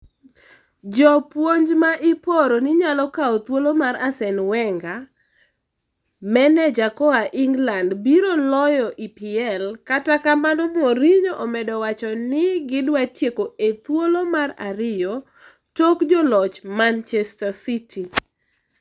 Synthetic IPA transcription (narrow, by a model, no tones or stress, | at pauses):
d͡ʒɔpwoɲd͡ʒmaʔipoɾonɪɲalɔkaot̪wolomaɾasɛnwɛŋɡa | mɛnɛd͡ʒakɔaʔiŋɡlandbiɾolɔjɔʔipɪɛlkatakamanɔmoɾiɲoʔɔmɛdɔwat͡ʃɔnɪɡɪdwatjekoet̪wolomara̰ɾɪjo | tokd͡ʒɔlɔt͡ʃmant͡ʃɛstasiti